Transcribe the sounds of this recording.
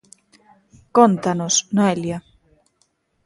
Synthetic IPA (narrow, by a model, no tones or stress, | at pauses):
kont̪anosnoelja